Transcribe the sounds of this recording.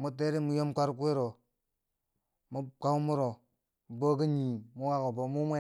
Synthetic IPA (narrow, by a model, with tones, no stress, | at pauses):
mu˦te˦ɾi˦mu˦jo˦mkʷa˦ɾk̬u˦e˦ɾo˨ | mu˦ka˦u˦mu˦ɾo˨ | bo˦ki˦ɲi˨mu˦wa˦ko˨bo˨mu˦mʷe˦